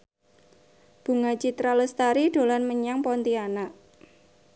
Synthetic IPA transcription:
b̥ṳŋat͡ʃit̪ɾaləst̪aɾiɖ̥o̤lanməɲaŋpɔnt̪ianaʔ

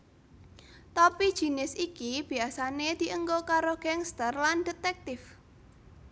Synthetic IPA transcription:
t̪ɔpid̥ʒ̥i̤nɪsikib̥i̤asaned̪̥i̤ʔəŋɡokaɾoɡ̥ɛŋst̪ərland̥et̪ɛk̚t̪ɪf

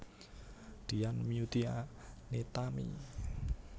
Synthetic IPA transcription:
d̪̥i̤anmiut̪ianet̪amḭ

